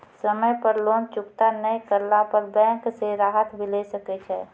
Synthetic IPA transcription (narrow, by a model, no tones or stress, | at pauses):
səməjpəɾloːnt͡ʃʊkt̪anəikəɾlapəɾbɛ̃ːŋkseɾaːɦət̪bʱilesəket͡ʃʰɛː